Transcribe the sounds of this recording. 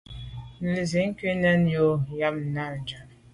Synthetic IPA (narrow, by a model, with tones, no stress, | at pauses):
n̩˨li˨zi˨˦ŋ̩˦ki˦nɛ˦njo˦ja˦m̩̚˨na˦˨n˨d͡ʒa˨n